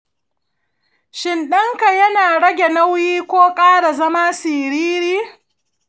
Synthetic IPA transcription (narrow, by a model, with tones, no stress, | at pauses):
ʃɪ˨nɗɐ˦ŋka˨jɐ˦naː˨ɽɐ˦ɡʲe˨nɐ˦wjiː˦kʷoː˦kʼaː˦ɽa˨zɐ˦maː˦siː˨ɾiː˦ɾiː˦